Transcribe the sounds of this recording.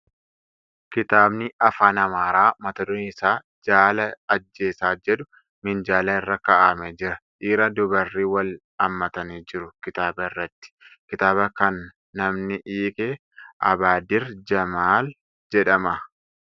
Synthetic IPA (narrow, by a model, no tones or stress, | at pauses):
kɪt̪aːbnɪɐfaːnɐmaːɾaːmɐt̪ɐd̪ʊnɪsaː | d͡ʒaːlɐːd͡ʒːe̞ːsaːd͡ʒɛᶑʊ | mɪnd͡ʒaːlɐɪrːɐkɐʔaːmɛd͡ʒɪɾɐᶑiːɾɐd̪ʊbɐrːiːwɐl | ɐmːɐt̪ɐniːd͡ʒɪɾʊkɪt̪aːbɐɪrːɐt̪ːɪ̥kɪt̪aːbɐkɐnː | ɐmnɪʔiːkʼeː | ʔɐ̰baːd̪ɪɾd͡ʒɐmaːl | d͡ʒɛᶑɐmɐ